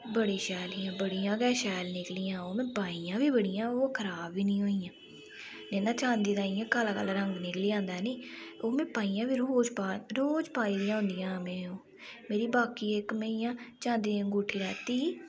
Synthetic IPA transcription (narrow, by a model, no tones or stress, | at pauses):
bəɽeːʃɛːliːãːbəɽijãːɡɛːʃɛːlnɪklijãːoːmɛ̃ːpaːijãːʋiːbəɽɪjãːoːkʰəɾaːbʋiːnĩːɦoːiːjãː | nɛːnãːt͡ʃãːnd̪iːd̪ãːijãːkaːlaːkə̰lɾəŋɡnɪkliːãːnd̪aːniːoːmɛ̃ːpaːiːjãːbiːɾooːd͡ʒpaɾoːd͡ʒpaːiːd̪ɪjãːɦʊ̃nd̪ɪjãːmɛ̃ːoː | meːɾiːbaːkiːɪkmeijãːt͡ʃãːnd̪ĩːɡuːʈʰːiːɾɛːt̪iː